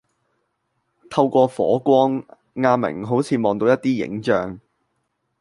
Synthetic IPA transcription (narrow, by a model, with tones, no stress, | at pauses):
t̪ʰɐ˧wkʷɔː˧fɔ̰ː˨˥kʷɔː˥ŋː | aː˧mɪ̰˨˩ŋɦo˨˥wt͡sʰiː˨˧mɔː˨ŋt̪o˧wjɐ˥t̪̚iː˥jɪ̰˨˥ŋt͡ʃœː˨ŋ